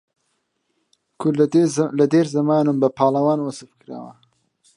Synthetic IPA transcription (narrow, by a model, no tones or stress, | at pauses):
kʰʊlɐd̪eːɾzɐmaːnumbɐpʰaːlɐwaːnwɐsɨfkɨɾa̰ːwɐ̰